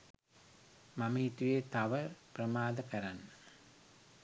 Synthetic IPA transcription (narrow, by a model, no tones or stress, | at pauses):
maməit̪ujet̪aʋəprəmaːd̪əkɐɾanːə